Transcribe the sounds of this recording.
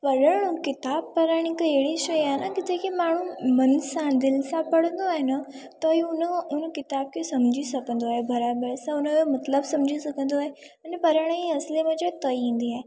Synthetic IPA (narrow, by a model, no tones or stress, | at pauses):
pɐɾəɽ̃ũkɪt̪aːb̚pɐɾaːɽ̃ikeːɽiʃɐjaːnakɪt̪ʰekimaːɳ̤ũmɐnsãd̪ɪlsãpəɽə̃nd̪oaːɦenə | t̪ɐiʊnəʊnkɪt̪aːb̚kesɐmd͡ʒʱisɐkə̃nd̪oaɦebɐɾaːbəɾsãʊnə̃jomɐt̪ləbsɐmd͡ʒʱisɐkə̃nd̪oaːɦeɐnepɐɾaːɽ̃iɐslemẽd͡ʒət̪ɐiĩːnd̪iaːe